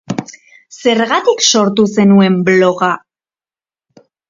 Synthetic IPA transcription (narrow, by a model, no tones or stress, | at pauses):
se̞ɾɣat̪ikso̞ɾt̪use̞nue̞mblo̞ɣa